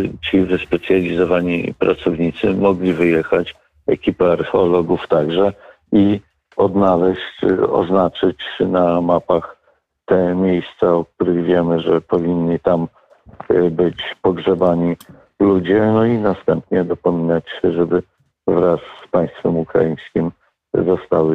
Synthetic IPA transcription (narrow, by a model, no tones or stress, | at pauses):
t͡ɕivɘspɛt̪sʲjalʲizɔvaɲḭpɾat̪sɔvɲit̪sɘmɔɡlʲivɘjɛxat͡ɕ | ɛ̰kʲipɛaɾxɔlɔɡuft̪aɡʐɛ | i | ɔd̪nalɛɕt͡ɕɔ̰znat͡ʂɘt͡ɕnamapax | t̪ɛmʲjejst̪saɔk̚t̪uɾɘɣvʲjɛmɘʐɛpɔvʲiɲːit̪am | bɘt͡ɕpɔɡʐɛbaɲi | lud͡ʑɛnɔinast̪ɛmpɲɛd̪ɔpɔmʲinat͡ɕɛʐɛbɘ | vɾasːpaj̃st̪fɛmukɾa̰jij̃skʲim | zɔst̪awɘ